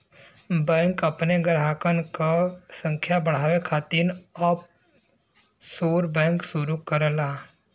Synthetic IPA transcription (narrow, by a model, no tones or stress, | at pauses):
bɛ̃ːŋkɐpneɡəɾɦaːkənkasə̃ŋkʰjabəɽ̤aːʋekʰaːt̪inəp | soːɾbɛ̃ːŋksuɾukəɾəlaː